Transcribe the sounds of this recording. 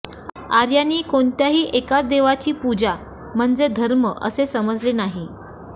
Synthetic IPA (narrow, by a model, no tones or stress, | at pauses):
aɾjaniːkoɳt̪jaɦiːʔekat͡sd̪eʋat͡ɕiːpud͡za | m̤əɳd͡zed̪ʱəɾməʔə̰sesəməd͡zlenaɦi